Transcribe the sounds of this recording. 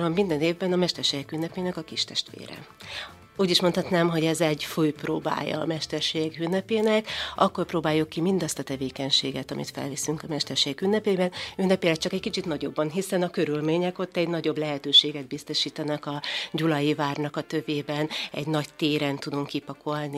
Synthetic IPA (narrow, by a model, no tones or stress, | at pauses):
ɒmmind̪ɛneːvbɛnɒmɛʃt̪ɛrʃeːjɛkynːɛpeːnɛkɒkiʃt̪ɛʃt̪ʋḛːɾɛ̰ | uːɟiʃmo̞nhɒt̪naːmɦo̞ɟɛzɛɟfujpro̰ːba̰ːjːɒ̰ːmɛʃt̪ɛrʃeːɛɡynːɛpeːnɛkʔɒkːo̞rproːbaːjukːimind̪ɒst̪ɒt̪ɛveːkɛɲʃeːɡɛt̪ɒmḭt̪fɛ̰lvisyŋkɒmɛʃt̪ɛrʃeːjɛkynːɛpeːbɛnynːɛpeːlɛt͡ʃɒkɛckit͡ʃit̪nɒɟo̞bːɒnɦisɛnɒkøɾylmeːɲɛko̞t̪ːɛɟnɒɟo̞blɛɦɛt̪øːʃeːɡɛd̪̚bist̪o̞ʃiːt̪ɛnɛkɒɟulɒjivaːrnɒkɒt̪ø̞veːbɛnɛ̰ɟnɒct̪eːɾɛnt̪ud̪uŋkːipɒkʰo̞lni